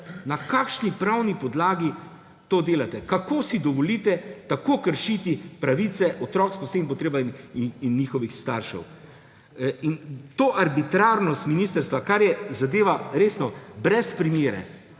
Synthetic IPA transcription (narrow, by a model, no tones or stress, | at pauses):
nakaːkʃnipɾawnipɔd̪laːɡi | t̪oːd̪eːlat̪ɛkakoːsid̪ɔʋɔlit̪ɛt̪akokəɾʃit̪ipɾaʋiːt̪sɛʔɔt̪ɾɔːksposeip̬ɔt̪ɾeːbainːiːxɔʋixst̪aɾʃɛ̰w | int̪oːʔaɾbit̪ɾaɾnɔst̪miniːst̪əɾst̪ʋakaɾjɛzad̪eːʋaɾeːsnɔbɾɛspɾimeːɾɛ̰